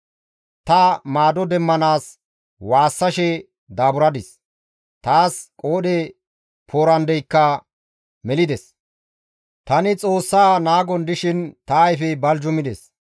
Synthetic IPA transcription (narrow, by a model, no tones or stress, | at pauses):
t̪ɐmaːd̪ɔd̪ɛmːɐnaːs | waːsːɐʃɛ | d̪aːbʊɾɐd̪ɪs | t̪aːskʼoːɗɛ | pʰoːɾɐnd̪ɛjkːɐ | mɛlɪd̪ɛs | t̪ɐnɪt͡sʼo̞ːsːaːnaːɡɔnd̪ɪʃɪnt̪ɐːjfɛbɐld͡ʒɔmɪd̪ɛs